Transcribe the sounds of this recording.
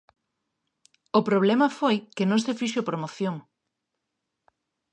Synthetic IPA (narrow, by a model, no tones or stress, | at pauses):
ʊpɾoβ̞lɛmɐfojkenõŋsefiʃopɾomoθjoŋ